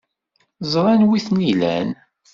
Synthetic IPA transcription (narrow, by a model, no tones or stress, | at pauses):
zˤɾˤɑnwiθnilæ̰n